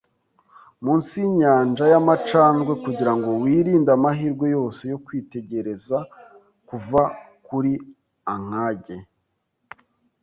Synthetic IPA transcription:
muːnsiɲaːnd͡ʒajamat͡ʃaːnɡwe̞kuɟiɾaŋɡo̞wiːɾiːndamaɦiɾɡwe̞jo̞ːse̞jo̞kwiːte̞ɟe̞ɾe̞za | kuva | kuɾi | aŋ̥aːɟe̞

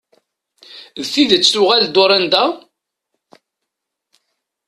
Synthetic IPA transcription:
ðθiðət͡sːθʊʁæld̪ʊɾænd̪æ

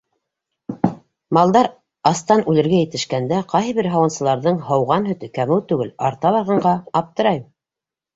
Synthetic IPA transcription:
mɑlˠd̪ɑɾ | ɑst̪ɑnʉlɘ̆ɾɡæjɘ̆t̪ɘ̆ʃkænd̪æqɑjɦɤ̆βɘɾɦɑwɤ̆nsɤ̆lˠɑɾðɤɴɦɤwʁɑnɦɵ̆t̪ɘkæmɘwt̪ʉɡɘlɑɾt̪ɑβɑɾʁɑɴɢɑːp̚t̪ɤ̆ɾɑjm

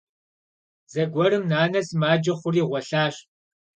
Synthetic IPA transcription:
z̥ɐɡʷɔɾɨmnaːnɐsmaːd͡ʒɐχʷʊriːʁʷɔɬaːɕ

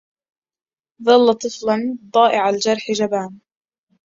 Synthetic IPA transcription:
ðˤɑlːɑt̪ˤɨflɑnt̪ˤɑːʔɪʕald͡ʒɑɾˤħɪd͡ʒabaːn

